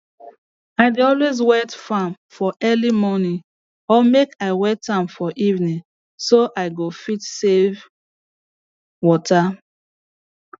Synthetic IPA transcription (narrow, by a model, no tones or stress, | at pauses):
aɪdeɔlwezwɛtfãmfɔʔɛlimɔnĩ | ɔmekaɪwɛtãmfɔʔivnĩŋ | soʔaɪɡofitsev | wɔta